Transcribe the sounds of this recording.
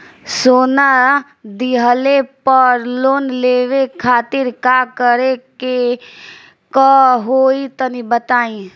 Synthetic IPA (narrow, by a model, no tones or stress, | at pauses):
soːna | d̪iɦəlepəɾloːnleːʋekʰaːt̪ɪɾkakəɾeke | kəɦoːit̪ənibət̪aːĩ